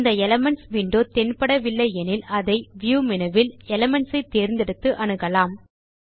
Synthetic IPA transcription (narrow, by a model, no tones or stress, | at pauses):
nd̪ɐɛlɐmɛɳʈsʋiːɳɖoːt̪ɛnpɐɽɐʋɪlːɐɪɛnɪlɐðɐɪʋɪjuːmɪnɐʋɪlɛlɐmɛɳʈsɐɪt̪ːeːɾnd̪ɪɽɯt̪ːɯʔɐɳɯɣɐlaːm